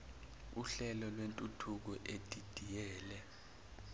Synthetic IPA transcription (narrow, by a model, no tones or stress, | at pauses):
uɬɛlɔlwentʼutʰuk̬ɔʔedʼid̥ʱijɛːlɛ